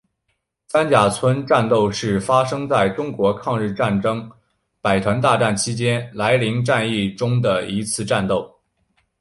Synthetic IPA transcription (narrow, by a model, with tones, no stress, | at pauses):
sa˥nt͡ɕja˨˩t͡sʰwə˥nʈ͡ʂa˥˧nt̪o˥˧ʊʂɻ̩˥˩fa˥ʂɤ˥ŋt͡sa˥˩ɪʈ͡ʂʊ˥ŋkwɔ˧˥kʰɑ˥˧ŋɻ̩˥˧ʈ͡ʂa˥˩nʈ͡ʂɤ˥ŋ | pa˨˩ɪt̪ʰwa˧˥nt̪̬a˥˧ʈ͡ʂa˥˩nt͡ɕʰi˥t͡ɕjɛ˥nla˧˥ɪli˧˥ŋʈ͡ʂa˥˧ni˥˩ʈ͡ʂʊ˥ŋd̪ə˨i˧˥t͡sʰɹ̩˥˧ʈ͡ʂa˥˧nt̪o˥˩ʊ